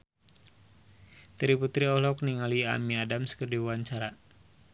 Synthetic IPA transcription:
t̪əɾiput̪ɾiɔlɔk̚niŋalia̰miadamsə̥kərdiwwaɲt͡ʃaɾa

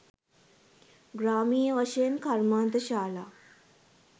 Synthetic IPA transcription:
ɡɾaːmiːjəʋaʃejənkʰaɾmaːnt̪əʃaːlaː

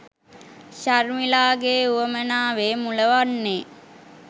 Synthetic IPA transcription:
ʃarmilaːɡeːuʋəmənaːʋeːmuləʋanːe

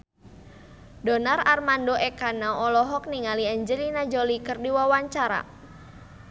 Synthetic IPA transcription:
dɔnararmandoʔɛkanaɔlɔɦɔk̚niŋaliaɲd͡ʒəlinad͡ʒolikərdiwawaɲt͡ʃaɾa̰

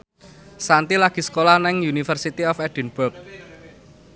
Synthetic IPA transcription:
sant̪ilaɡ̥i̤sə̥kolahnɪŋjunifərsit̪iɔfɛd̥i̤nbʊrk̚

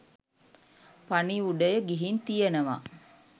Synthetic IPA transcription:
paniuɖəjəɡiɦint̪ijənəʋa̰

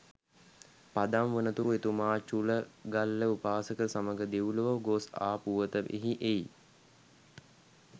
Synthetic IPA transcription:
pad̪amʋənət̪uɾuet̪umaːt͡ʃuləɡalːəupaːsəkəsaməɡəd̪eʋləʋəɡosa̰ːpuʋət̪əʔḛɦiʔej

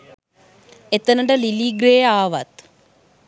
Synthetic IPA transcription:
et̪ːɐnɐɳɖɐliliɡɾeːaːʋɐ̰t̪

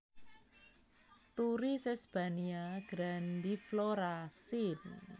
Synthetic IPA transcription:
t̪uɾisɛsb̥aniaɡ̥ɾand̪ifloɾasin

